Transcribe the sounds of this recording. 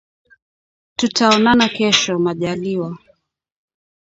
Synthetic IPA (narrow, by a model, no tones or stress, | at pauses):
tutaɔnanakɛʃɔmaʄaliwa